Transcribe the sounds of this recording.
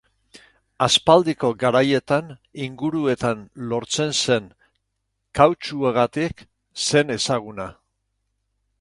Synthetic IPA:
aspald̪iko̞ɡaɾaje̞t̪aniŋɡuɾue̞t̪anlo̞ɾt͡se̞nse̞n | kːawt͡ʃueɣat̪ik | se̞ne̞saɣ̞una

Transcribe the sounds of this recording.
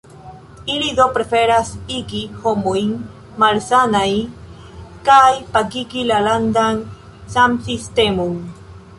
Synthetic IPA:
ilido̞pɾe̞fe̞ɾasiɡiho̞mojn | malsanaj | kajpaɡiɡilalandan | samsiste̞mon

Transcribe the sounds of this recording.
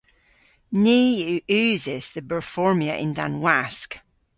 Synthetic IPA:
niːjʔʉːzɪz̥ðəbəɹfɔɹmiəʔɪ̰̃ndã̰nwɛsk

